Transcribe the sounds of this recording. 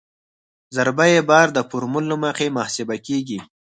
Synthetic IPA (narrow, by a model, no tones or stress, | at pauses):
zaɾbajebɑɾd̪əpʊɾmʊlːumaqemahsibakeɡi